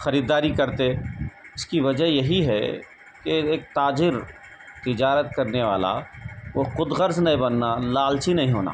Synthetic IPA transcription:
xɐɾiːd̪aːɾikɐɾt̪eɪskiʋɐd͡ʒəɦjɐɦiɦɛ̰ | keeːk̚t̪aːd͡ʒɪɾ | t̪ɪd͡ʒaːɾət̪kɐɾneʋa̰ːla̰ʋoqʊd̪ɣəɾznɐɦĩbɐnːalaːlt͡ʃinɐɦĩɦo̰ːna̰ː

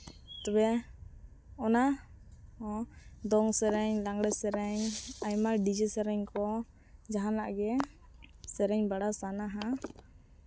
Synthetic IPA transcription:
t̪ɔbɛ | ɔna | d̪ɔŋsɛɾɛɲlaŋɡɽɛsɛɾɛɲajmaɖid͡ʒɛsɛɾɛɲkɔ | d͡ʒaɦana̰ʔɡɛ | sɛɾɛɲbaɽasanaɦa

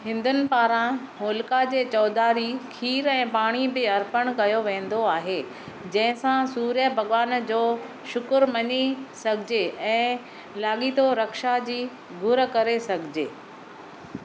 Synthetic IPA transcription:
ɦɪ̃nd̪ʊnɪ̆paːɾã | ɦoːlkad͡ʑeːt͡ɕɔːd̪aːɾikʰiːɾɛ̃ːpaːɽ̃ibɪɐɾpəɽ̃kɐjoʋẽːn̆d̪oaːɦe | d͡ʑɐ̃ɦɪ̃sãsuːɾjəbʱɐɠʋaːnd͡ʑoː | ʃʊkʊɾmɐɲisɐɡʱɪd͡ʑeɛ̃ː | laːɠit̪oɾɐkʃad͡ʑiː | ɡʱʊɾəkɐɾesɐɡʱɪd͡ʑeː

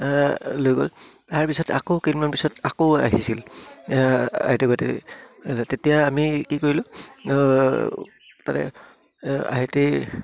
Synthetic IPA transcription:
lojɡo̰l | aɹpisɔta̰kokinmnɔnpisɔtakoaɦisil | a̰ɦetɛkoatɛ̰ | tetijaːmikikoɹilʊ | tatɛ̰ | a̰ɦete

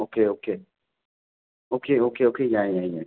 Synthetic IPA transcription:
okeoke | okeokeokejãjɛ̃jɛ̃

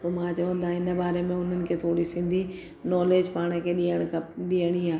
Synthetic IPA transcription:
pomãːt͡ɕɐʋə̃nd̪aːɪnə̆baːɾemẽʊn̤ənɪ̆kʰeːt̪ʰoːɽisɪ̃nd̪ʱi | nɔːleːd͡ʑpaːɽ̃ə̆kʰeːɗiːəɽ̃əkʰɗiːəɽ̃iaː

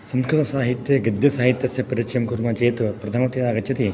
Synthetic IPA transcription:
sɐmkʰɐt̪ɐsaːɦit̪ːjɐɡɪd̪jɐsaːɦit̪ːjɐsjɐpɐɾit͡ʃɐmkuɾmat͡ʃeːt̪pɾɐd̪ʰʱaːmɐt̪id̪aːɡɐt͡ʃt͡ʃːɐt̪i

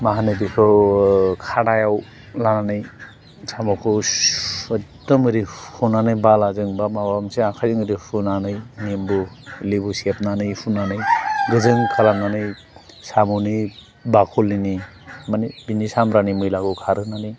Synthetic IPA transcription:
maɦanɯbikʰɯ | kʰaɽajaw | lananɯj | samɔkʰɯ | dɔmɯɾihunanɯjbalazɯŋbamawamseakʰazɯŋɯɾipunanɯjnimbɯlibusiep̚nanɯjpʰunanɯjɡɯzɯŋkʰalamnanɯj | samɔni | bakʰulːini | manibinisamɾanimɯjlaɡɯkʰaɾɯnani

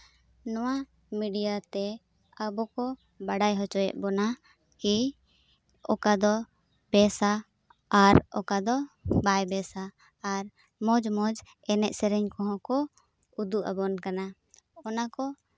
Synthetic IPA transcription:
nɔwa | miɖijat̪ɛ | əbɔkɔ | baɖajɦɔt͡ʃɔjɛ̰ʔ̚ˀbɔna | ki | ɔkad̪ɔ | bɛsaː | ɾɔ̰kad̪ɔbajbɛsaː | ɾ | mɔd͡ʒmɔd͡ʒ | ɛnɛʔ̚sɛɾɛɲkɔɦɔ̃kɔ | ud̪uʔa̰bɔnkana | ɔnakɔ

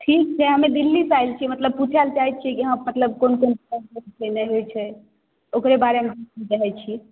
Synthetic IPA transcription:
ʈʰik̚t͡ʃʰɛɦəmed̪ilːisajlt͡ʃʰimət̪ləb̚putʰalt͡ʃaɦit̪̚t͡ʃʰikiɦə̃mət̪ləb̚konkonpɛnəɾt͡ʃʰənɛɦojt͡ʃʰɛ | okɾebaɾemẽd̪eiɾəɦɛt͡ʃʰi

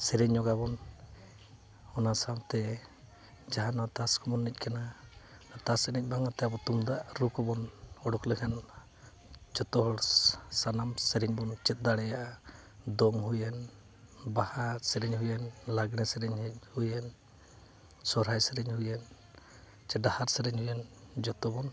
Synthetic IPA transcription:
sɛɾɛɲːɔɡabɔn | ɔnasamt̪ɛ | d͡ʒaɦanat̪askɔbɔnːic̚ˀkana | t̪asɛnɛc̚ˀbaŋat̪ɛabɔt̪umd̪aʔɾukɔbɔnɔɽɔklɛkʰan | d͡ʒɔt̪ɔɦɔɽsanamsɛɾiɲbɔnt͡ʃɛt̪̚d̪aɽɛjaʔa | d̪ɔŋɦujɛn | bahasɛɾɛɲɦujɛnlaɡnɛsɛɾɛɲhujɛn | sɔɾɦajsɛɾɛɲhujɛn | t͡ʃɛɖahaɾsɛɾɛɲhujɛnd͡ʒɔt̪ɔbɔn

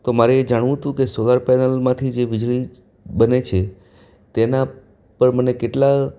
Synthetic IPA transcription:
t̪omaɾeːd͡ʒaɽ̃ʋũt̪ũkesolaɾpɛnəlmãt̪ʰid͡ʒeʋɪd͡ʒɭi | bənet͡ʃʰe | t̪ena | pəɾmənekeʈla

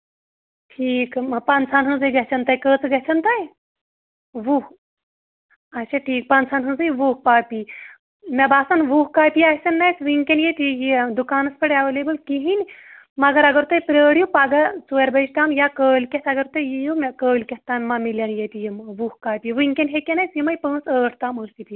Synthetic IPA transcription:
ʈʰiːkpɐnt͡sʰaːnɦɨ̃nzɨjɡɐt͡ʃʰɐnt̪ɐjkəːt͡sɨɡɐt͡ʃʰɐnt̪aj | ʋuh | ɐsɐʈʰiːk̚pɐnt͡sʰaːnɦɨ̃nzɨjʋuːhpaːpi | mʲɐbaːsɐnʋuːɦkaːpijasʲɐnːɐjsʋɨiŋkʲenjet̪jid̪ukaːnɐspʰɐɽɐʋɐleːbɨlkiɦinʲ | mɐɡɐɾɐɡɐɾt̪ɐjpɾəːɽjupaɡat͡suɐɾbɐist̪aːmjakəːlkʲet̪ʰɐɡɐɾt̪ɐjjijumʲɐkəːlʲkʲɐtt̪aːmʲmɐmiljɐnjet̪ʲijimʋuhkaːpʲijʋɨiŋkʲenɦekʲenɐjsjimɐjpə̃ːnsəːʈʰt̪aːməːssit̪i

